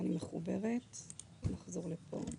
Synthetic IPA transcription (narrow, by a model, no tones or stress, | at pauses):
animeχubeʁet | naχzo̞ʁlepʰo̰